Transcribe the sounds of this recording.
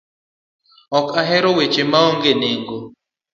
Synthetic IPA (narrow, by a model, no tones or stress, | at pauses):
ɔkaɦɛɾowet͡ʃemaoŋɡeneŋɡo